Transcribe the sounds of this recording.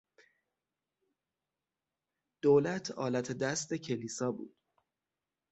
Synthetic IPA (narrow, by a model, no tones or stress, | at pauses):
d̪̥oːlæt̪ʰɒːlæt̪ʰed̪æst̪e̞cʰe̞liːsɒːbṵːd̪̥